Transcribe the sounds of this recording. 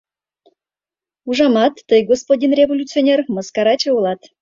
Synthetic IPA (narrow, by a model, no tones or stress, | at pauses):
uʒɑmɑt̪ːəjɡospod̪ʲinrʲevolʲut͡sionʲerməskɑɾɑt͡ɕeulˠɑt̪